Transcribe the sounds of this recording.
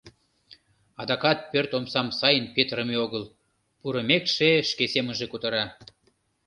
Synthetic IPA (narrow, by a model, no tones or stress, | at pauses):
ɑd̪ɑkɑt̪̚pørt̪omsɑmsɑjənpet̪ɾəmeoɣəl | puɾə̆mekʃeʃkesemənʒe̽kut̪ə̆ɾɑ